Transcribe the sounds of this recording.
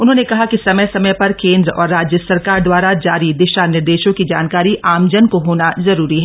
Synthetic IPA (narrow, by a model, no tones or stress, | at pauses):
ʊnɦõːnekɐɦakisɐməjsɐməjpɐɾkẽːnd̪ɾəɔːɾːaːd͡ʒjəsɐɾkaːɾd̪waːɾad͡ʒaːɾid̪ɪʃanɪɾd̪eːʃõkid͡ʒa̰ːnkaːɾiʔʔaːmd͡ʒənkoɦoːnazɐɾuːɾiɦɛː